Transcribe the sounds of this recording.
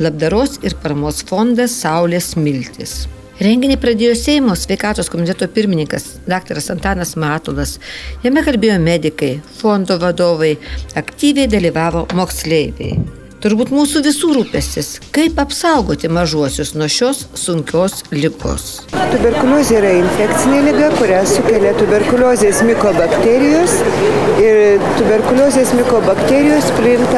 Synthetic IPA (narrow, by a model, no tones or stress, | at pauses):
lˠɐb̚d̪ɐɾoːsɪɾpɐɾɐmoːsfond̪ɐsːɐʊlʲeːsmʲɪlʲt̪ʲɪ̰s | ɾʲɛŋʲɡʲɪnʲɛɪpɾɐd̪ʲeːjoːsʲɛɪmoːsʲʋʲɛɪkɑːt̪oːskomʲɪt̪ʲɛt̪oːpʲɪɾʲmʲɪnʲɪŋkɐs | d̪ɑːk̚t̪ɐɾɐsɐnt̪ɑːnɐsmɑːt̪olˠɐsjɛmʲɛkɐlʲbʲeːjoːmʲæːd̪ʲɪkɐɪfond̪oːʋɐd̪oːʋɐɪɐkt̪ʲiːʋʲɛɪd̪ɐlʲiːʋɑːʋoːmoːksʲlʲɛɪʋʲɛ̰ɪ | t̪ʊɾbuːt̪muːsuːʋʲɪsuːɾuːpʲɛsʲt̪ʲɪskɐɪpɐpsɐʊɡoːt̪ʲɪmɐʒuɔsʲʊsnuɔʃʲoːsːʊŋʲkʲoːslʲɪɡo̰ːs | t̪ʊbʲɛɾkʊlʲoːzʲeːiɾɐɪnʲfʲækt̪sʲɪnʲeːlʲɪɡɐkʊɾʲæsʊkʲɛlʲɛt̪ʊbʲɛɾkʊlʲoːzʲeːsmʲɪkoːbɐkt̪ʲæːɾʲɪjoːsɪɾt̪ʊbʲɛɾkʊlʲoːzʲeːsmʲɪkoːbɐkt̪ʲeːɾʲɪjoːspʲlʲɪnt̪ɐ